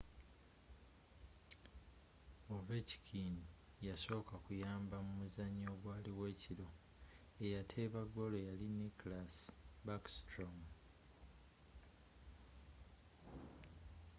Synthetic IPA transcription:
oveci̥kʰin | jaso̞ːkakujaːmbamumuzaɲːoːɡwaːliwe̞ːciɾo̞ | e̞jatʰe̞ːβaɡːo̞lo̞jaliniklasbakstɾom

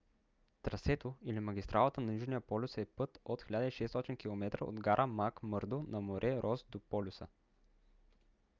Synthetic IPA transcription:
t̪ɾɐsɛt̪oilimɐɡʲist̪ɾʔalˠət̪ənɐnʲuʒnijəpɔlʲʊsɛpɤt̪ot̪xʲilʲad̪əiʃɛst̪ɔt̪inkʲilˠomɛt̪ɾə̰o̰d̪ɡaɾʔəmakmɤɾd̪onɐmoɾʔɛɾʔɔsd̪opɔlʲʊsə̰

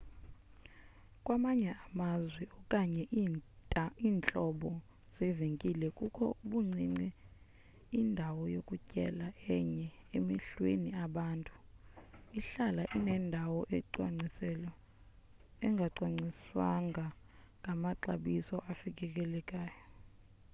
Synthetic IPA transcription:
kʼwamaɲɛamazwɛɔkʼaɲɛ | iːnt͡ɬʼɔɓɔ | z̥iveŋkʼilɛkʼukʰɔ̰uɓuŋ͡ǀʱiŋ͡ǀɛ | indʱawɔjokʼucʼɛ̰laɛɲɛemiɬweniaɓaːntʼu̥ | iɬalaʔinɛndʱawɔʔɛǃwaŋ͡ǀisɛlɔ | ɛŋɡʱaǀwaŋ͡ǀiswa̰ŋɡʱa | ŋɡʱamaǀa̰ɓisɔʔafikʼɛkʼɛlɛkʼaːjɔ

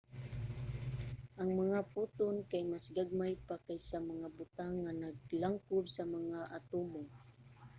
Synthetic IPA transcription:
ʔaŋmaŋaput̪ʊnkajmasɡaɡ̚majpakajsamaŋabʊt̪aŋːanaɡ̚laŋkʊbsamaŋaʔat̪umʊŋ

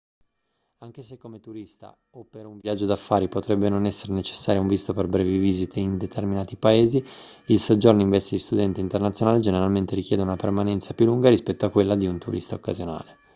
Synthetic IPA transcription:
aŋk̟esekːomet̪uɾist̪a̰ | opːeɾuɱvjad͡ʒːod̪afːaːɾipot̪ɾɛbːenonɛsːeɾenet͡ʃe̥sːaːɾjauɱvist̪operbɾɛːviviːzit̪ʰeind̪et̪erminaːt̪ipaeːzi | ilsod͡ʒːorniɱvɛst̪id̪ist̪ud̪ɛnt̪eint̪ernat̪sjonaːled͡ʒeneɾalment̪eɾikjɛːd̪eunapermanɛnt̪sapjulːuŋɡaɾispɛt̪ːoakːwelːad̪iunt̪uɾʔḭst̪aokːa̰zjona̰ːle

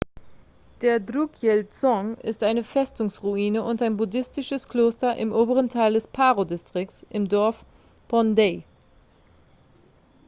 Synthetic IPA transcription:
d̥eːɐdʁukʰjɛlt͡sɔŋɪ̰stʔaɪnəfɛstʊŋsʁuiːnəʔʊntaɪnbudɪstɪʃəskl̥oːstɐʔɪmʔoːbəʁ̞əntʰaɪldɛspʰaːʁodɪstʁ̥ɪk̚t͡ssʔɪmdɔɐf | b̥ɔnde

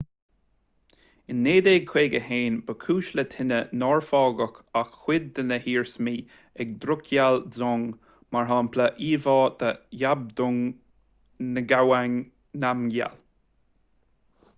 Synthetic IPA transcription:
ɪnːeːd̪eːɡ̚kʰweːɡəheːnbəkʰuːʃlət̪ʰɪnənɔːɹfɑːɡəkaxxwɪd̪̚ːənəhiːɹsmiː | ɛɡ̚d̪ɾʊkʰjalzɔŋ | maɹɦaːmpʰləʔiːvɑːd̪̥əjab̚d̪ʊŋ | nəɡawaŋ | namɡja̰l

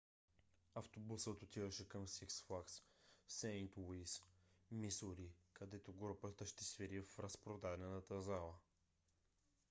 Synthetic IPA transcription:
ɐft̪obusət̪ot̪ivəʃɛkəmsiksfaksːɛjnt̪wuismisʊɾikɐd̪ɛt̪oɡɾupət̪əʃt̪ɛsvɛɾiffɾəspɾod̪avnɛnət̪əzalˠə

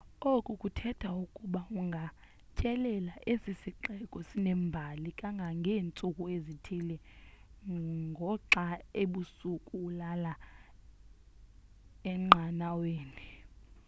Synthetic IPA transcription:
okʼukʼutʰɛtʰaukʼuɓauŋɡʱa | t͡ʃʼɛlɛlaʔesisiǃɛkʼɔsinɛmbʱalikʼaŋɡʱaŋɡʱeːnt͡sʼukʼuezitʰilɛ | ŋɡʱɔǁaeɓusukʼuulala | ɛŋ͡ǃʱanaweːni

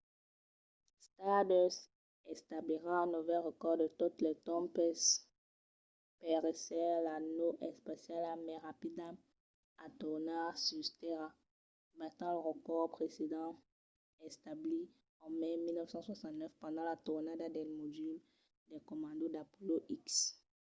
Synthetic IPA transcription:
st̪ad̪ɛs | ɛst̪abliʁããnovɛlʁəkɔʁd̪ət̪ut̪lɛt̪ɔ̃mpɛs | pɛʁesɛlanoʔɛspasjalamɛʁapid̪am | at̪uʁnasyst̪eʁa | mɛ̃t̪ɑ̃ləʁəkɔʁpχesed̪ɑ̃ | ɛst̪abli | ɑ̃mɛmilnœfsɑ̃swasɑ̃nt̪nœfpɑ̃d̪ɑ̃lat̪uʁnad̪ad̪ɛlmod̪yl | d̪ɛkɔmɑ̃d̪od̪apoloʔiks

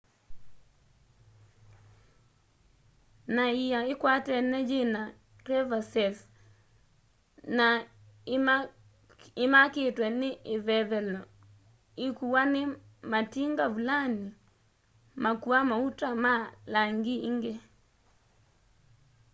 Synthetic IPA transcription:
naijaɪkwatɛnɛd͡ʒɪna | rɛvasɛf | na | ɪmakɪtwɛnɪʔɪvɛvɛlɔ | ɪkuwanɪ | matiŋɡavulani | makuamautamalaŋɡiiŋɡe

